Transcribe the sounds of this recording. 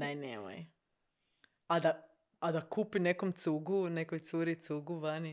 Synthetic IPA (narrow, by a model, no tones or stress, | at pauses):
nanḛːmo̰j | ad̪a | ad̪akupinekomt̪suɡunekojt̪suɾit̪suɡuʋani